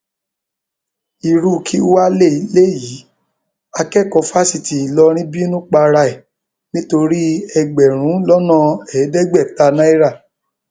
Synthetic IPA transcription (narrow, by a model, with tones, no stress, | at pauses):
i˨ɾu˦˨kʰi˦u˦wa˦le˦˨i˨˦le˦ji˨˦ | a˧kɛ˦˨kɔ˧fa˦si˨ti˨i˨lɔ˦ɾ̃ĩ˦bi˦nũ˦k͡pa˧ɾa˧i˨ | nĩ˦to˧ɾi˦ɛ˧ɡ͡bɛ˨ɾ̃ũ˨˦lɔ˦nã˦˨ɛ˨˦dɛ˦ɡ͡bɛ˦˨ta˧nã˦i˦ɾa˦˨